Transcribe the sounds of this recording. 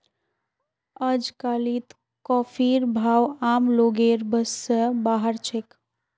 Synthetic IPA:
əd͡ʒkalit̪ | kɔːpʰiɾbʱaːwamloɡeɾbəsːəbaɦəɾt͡ʃʰek

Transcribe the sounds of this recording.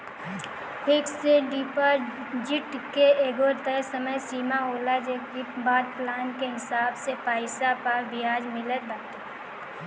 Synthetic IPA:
pʰɪkseɖiːpəɾ | d͡ʒɪʈkeeːɡoːɾt̪əsɐməjsiːmaɦoːlad͡ʒekibaːd̪̚plaːnkeɦɪsaːbsepaːɪsapɐɾbɪjaːd͡ʒmɪlət̪̚bat̪e

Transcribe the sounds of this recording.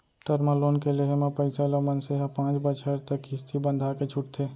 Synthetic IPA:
ʈəɾməloːnkeleɦemẽpəɪsalomənseɦɛ̃pãːt͡ʃbət͡ʃʰəɾt̪əkɪst̪ʰibə̃nd̪ʱaket͡ʃʰʊʈt̪ʰeː

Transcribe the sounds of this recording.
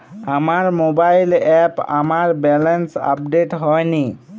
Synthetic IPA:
amaɹmobajlɛpa̰maɹbɛlɛnsa̰p̚ɖeʈɦɔjni

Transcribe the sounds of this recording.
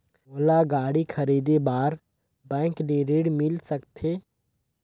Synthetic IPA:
oːlaɡaːɽikʰəɾiːd̪ebaːɾ | bɛ̃ːŋkleːɾeːɽmɪlsəkt̪ʰeː

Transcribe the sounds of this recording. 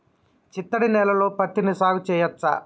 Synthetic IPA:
t͡ʃit̪ːɐɽinɛːlɐlo̞ːpɐt̪ːinisaːɡut͡ʃɛːjɐt̪sɐ̰

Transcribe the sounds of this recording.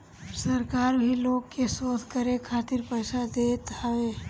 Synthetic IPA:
səɾkaɾbʱilokːesod̪ʱkəɾekʰat̪iɾpəjsad̪et̪awe

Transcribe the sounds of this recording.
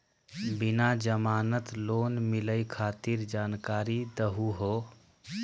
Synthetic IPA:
binad͡ʒəmaːnət̪loːnmiləjkʰaːt̪iɾd͡ʒaːnkaːɾid̪əɦuɦo

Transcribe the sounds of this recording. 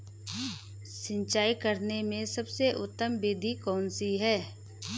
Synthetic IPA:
sɪ̃ɲt͡ʃaːikəɾnemẽsɐbseʔʊt̪ːəmbeːd̪ʱikɔːnsiɦɛː

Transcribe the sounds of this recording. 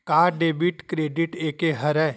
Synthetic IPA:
kaːɾɖeːbiʈkɾeːɖɪʈeːkeɦɐɾɛː

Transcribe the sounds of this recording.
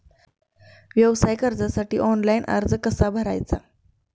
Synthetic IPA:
ʋjəwsajkəɾd͡zasaʈiːʔɔnlajnʔa̰ɾd͡zəkəsabʱəɾa̰jt͡sa

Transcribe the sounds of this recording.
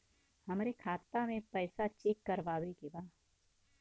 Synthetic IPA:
hɐmɾekʰaːt̪ːamẽpɛːsat͡ʃeːkːɐɾʋaːwekebaː

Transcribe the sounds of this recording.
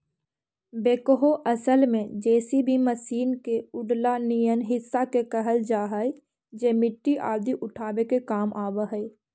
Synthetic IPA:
beːkəɦoʔɐsəlmẽd͡ʒɛːsibʱiməsiːnkeʊɖlanijənɦɪsːakekəɦəld͡ʒaːɦaːi | d͡ʒeːmɪʈːiʔa̰ːd̪iʔʊʈʰaːwekekaːmʔaːbəɦɛː

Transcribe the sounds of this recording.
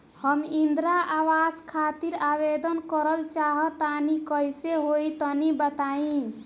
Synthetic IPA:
həmind̪ɾaʔawaskʰat̪iɾabed̪ənkəɾəlt͡ʃaɦət̪anikəjseɦoit̪ənibət̪aĩ

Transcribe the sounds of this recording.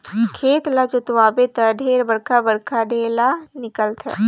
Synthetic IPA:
kʰeːt̪lat͡ʃʊt̪ʋaːbet̪əɖʱeːɾbɐɽkʰabɐɽkʰaɖeːlanɪkəlt̪ʰɛ̰

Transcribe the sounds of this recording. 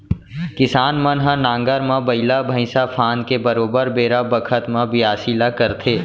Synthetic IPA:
kɪsaːnmə̃nɦə̃nãːŋɡəɾmãbəɪlabʱə̃ɪ̃sapʰãːnkebəɾoːbəɾbeːɾabəkʰət̪mãbɪaːsiːlakəɾt̪ʰeː

